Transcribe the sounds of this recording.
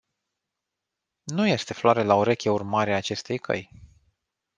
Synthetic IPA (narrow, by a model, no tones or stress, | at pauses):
nuje̞st̪e̞floaɾe̞laoɾe̞kʲeurmaɾeaːt͡ʃe̞st̪e̞jkʰə̰j